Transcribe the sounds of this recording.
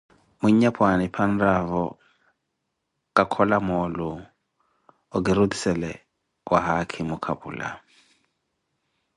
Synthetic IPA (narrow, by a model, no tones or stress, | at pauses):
muɲapʰwanipʰandavɔ | kʼakʰɔlamɔlu | ɔɡiɾudisɛlɛ | wʔaɦakʰimukʰabṵːla̰